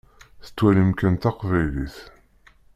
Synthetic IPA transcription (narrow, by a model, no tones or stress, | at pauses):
θə̥t͡sːwælimkænt̪ɑqvæjliθ